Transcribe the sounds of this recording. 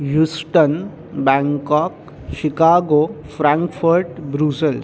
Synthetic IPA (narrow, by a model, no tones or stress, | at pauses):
ɦjusʈən | bɛ̃ŋkɔːk̚ | ɕikaːɡo | fɾãŋkfəɾʈbɾusəls